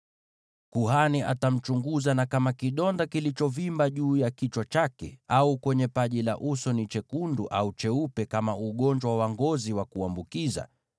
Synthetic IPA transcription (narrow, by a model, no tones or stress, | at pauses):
kuɦaniʔa̰tam̩t͡ʃuŋɡuzanakamakiɗɔndakilit͡ʃɔvimbaʄuːjakit͡ʃwat͡ʃakɛaukwɛɲɛpaʄila̰ʔusɔnit͡ʃɛkunduʔaut͡ʃɛupɛkamauɠɔnd͡ʒwawawaŋɡɔziwakuambukiza̰